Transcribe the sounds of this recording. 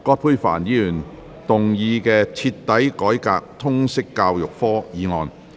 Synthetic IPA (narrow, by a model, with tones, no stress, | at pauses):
kɔː˧t̚pʰuː˧jfa̰ː˨˩njiː˨˧lyː˨˩n | t̪ʊ˨ŋjiː˧kɛː˧t͡sʰi˧t̪ːɐ˨˥jkɔː˨˥jkaː˧k̚t̪ʰʊ˥ŋsɪ˥kːaː˧wjʊ˨k̚fɔː˥jiː˨˧ŋɔː˨˧n